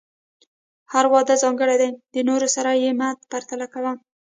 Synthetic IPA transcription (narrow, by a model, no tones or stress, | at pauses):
haɾwɑd̪azɑŋɡəɽajd̪ajd̪ənoɾosaɾajemad̪paɾt̪alakawam